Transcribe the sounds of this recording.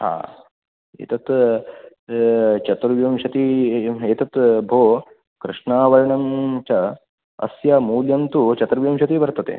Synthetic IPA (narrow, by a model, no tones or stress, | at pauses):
ɦa̰ː | ḛːt̪ɐt̪ | t͡ʃɐt̪ɾɐʋjɐmʃɐt̪ieːt̪ɐt̪bʱoː | kɾɨʂɳaːʋɐɾɐɳɐmt͡ʃɐ | ɐ̰sjɐmuːljɐmt̪ut͡ʃɐt̪ɾɐʋjɐmʃɐt̪ibɐɾt̪ɐt̪ḛː